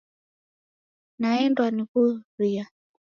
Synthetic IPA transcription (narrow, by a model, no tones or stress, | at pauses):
naɛndwanikuɾia